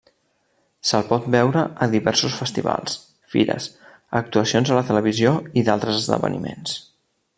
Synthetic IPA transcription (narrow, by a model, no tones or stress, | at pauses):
səlˠpɔt̪̚bɛwɾəʔəðiβɛɾsusfəst̪iβa̰lˠs | fḭɾə̰s | ək̚t̪uəsionzðələt̪ələβ̞izioiðalˠt̪ɾəzəzðə̰βə̰nimens